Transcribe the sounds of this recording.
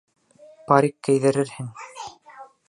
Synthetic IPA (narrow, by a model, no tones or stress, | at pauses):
paɾʲikːæ̆jðɘ̆ɾɘɾhɘŋ